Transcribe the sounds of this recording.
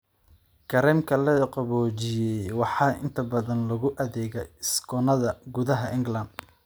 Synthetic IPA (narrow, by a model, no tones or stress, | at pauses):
kʰɐɾɛmkʰɐlɐqɔβɔːt͡ʃɪjɛjwɑħɑːʔɪ̰nt̪ʰɐbɐðɐnlɐɣʊʔɐðɛːɣɛɪskʰɔnɐðɐɡʊðɐɦɐʔɪŋɡlɐnd̪